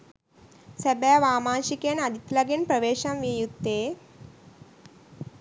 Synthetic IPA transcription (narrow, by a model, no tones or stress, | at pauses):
səbjaʋaːmãːɕikenad̪ʱit̪laɡenpɾəʋeːɕamʋijut̪ːe